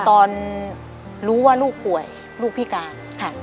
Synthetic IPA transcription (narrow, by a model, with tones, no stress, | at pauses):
t̪ɔː˧n | ɾuː˦˥waː˥˩luː˥˩k̚pu˨˩əj | luː˥˩k̚pʰiː˦˥˩kaː˧n | kʰa˥˩